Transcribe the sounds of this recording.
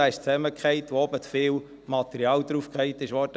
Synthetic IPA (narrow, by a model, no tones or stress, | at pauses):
æɪʃt͡sɛməkχɛɪt̪ʋoɔbət̪fɪːl | mɑt̪ɛɾiɑːld̪ɾufkχɛɪtɪʃʋɔːt